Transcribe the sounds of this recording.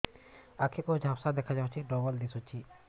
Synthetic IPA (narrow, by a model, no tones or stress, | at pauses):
akʰekod͡ʒʱapsad̪ekʰad͡ʒaõt͡ʃʰiɖɔbəld̪esut͡ʃʰi